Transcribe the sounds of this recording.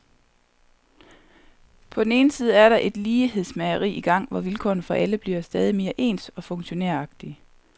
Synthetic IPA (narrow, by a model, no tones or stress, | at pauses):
pʰɒ̽d̥ene̝ːnəsiːð̞ˠəæɐɾɑ̈ʔe̝d̥liːɦe̝ð̰ˠsmæɪɐʁḭːʔiɡ̥ɑ̈ŋ̰ʋɒʋilkʰɒ̰ːn̩fɒ̽ʔæləb̥liɐsd̥ɛːð̞ˠime̝ːɐʔe̝̰ːnd̥ɒ̽fɔ̽ŋɕo̝neɐ̰ɑ̈ɡ̥̚d̥i